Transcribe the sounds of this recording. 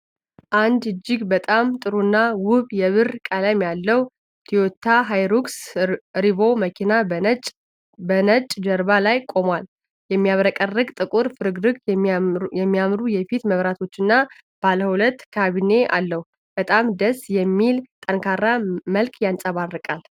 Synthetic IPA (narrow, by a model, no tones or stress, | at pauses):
ʔand̪ɨd͡ʒːɪɡbət̪ʼamt̪ʼɨɾunːawʊβjɛβɨɾkʼələmjalːəwu | t̪ʰijot̪ʰːaɦajɾuɡsɾiβo̞məkʰinat͡ʃʼ | bənət͡ʃʼd͡ʒəɾβalajkʼo̞mwal | jɛmːijaβɾəkʼərːɨɡt̪ʼɨkʼuɾfɨɾɨɡɾɨɡ | jɛmːijamɾujɛfit̪məβɾat̪ʰo̞t͡ʃːɨnːa | b̥alhəwulət̪ːkʰaβine̞a̰lːəhu | b̥ət̪ʼamd̪əsjɛmːilt̪ʼəŋkʰarːaməlkʼjansʼəβarːɨkʼal